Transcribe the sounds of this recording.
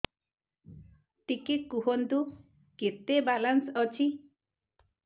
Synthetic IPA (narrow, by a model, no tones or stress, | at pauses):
t̪ikekuɦɔnt̪u | ket̪ebalansʌt͡ʃʰi